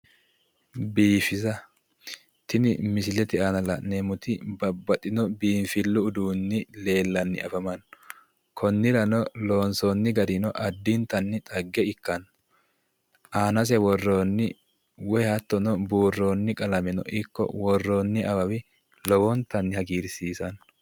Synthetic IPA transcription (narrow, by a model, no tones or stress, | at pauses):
biːfɪzɐ | t̪ɪnɪmɪsɪlɛt̪ɪanɐlɐ̰ʔnemʊt̪ɪbɐbːɐt̪ʼːɪnɔbiːnfɪlːʊːd̪uːnːɪle̞ːlːɐnːɪ̰ɐfɐmɐnːɔ | kʰɔnːɪɾɐnɔlo̞ːnsoːnːɪɡɐd̪ɪnɔʔɐd̪ːɪnt̪ɐnːɪt̪ʼɐɡːɛɪkːɐn | ʔaːnɐs̬ɛwɔrːo̞ːnːɪ | wɛjhɐt̪ːɔnɔbuːrːo̞ːnːɪkʼɐlɐmɛnɔ̰ʔɪkːɔ̰wɔrːoːnːɪʔɐbɐwɪ | lɔwɔnt̪ɐnːɪhɐɡiːɾsiːsɐn